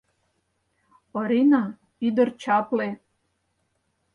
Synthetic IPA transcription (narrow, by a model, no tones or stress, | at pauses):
oɾina | id̪oɾt͡ɕaple